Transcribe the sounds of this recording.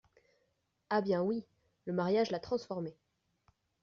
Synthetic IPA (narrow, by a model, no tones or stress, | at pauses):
abjɛ̃wi | ləmaʁjaʒlat̪χɑ̃sfɔʁme